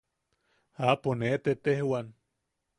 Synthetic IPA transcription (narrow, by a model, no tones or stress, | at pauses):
aponet̪et̪ehwan